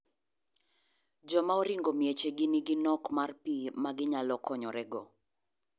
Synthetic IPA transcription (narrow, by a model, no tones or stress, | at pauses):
d͡ʒɔmaoɾiŋɡomjet͡ʃeɡɪniɡɪnɔkmarpimaɡɪɲalɔkʰɔɲɔɾɛɡɔ